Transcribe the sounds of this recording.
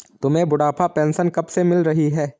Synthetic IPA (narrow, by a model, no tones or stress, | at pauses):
t̪ʊmẽbʊɽaːpʰapɛ̃ːnsənkɐbsemɪlɾɐɦiɦɛː